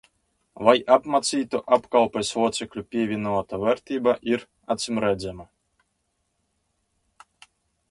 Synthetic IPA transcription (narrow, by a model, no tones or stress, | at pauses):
vajapmat̪sʲiːt̪uʔapkalˠpɛsvuɔt̪sɛklʲupʲiɛvʲinut̪avʲɛɾt̪ʲiːbaʔiɾ | at̪sʲɨmɾæd̪zʲɛma